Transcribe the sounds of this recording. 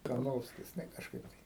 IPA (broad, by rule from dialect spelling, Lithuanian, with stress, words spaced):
kɐrˈnoːwsʲkʲɪs nʲɛ kɐʃˈkɐɪp tɐɪ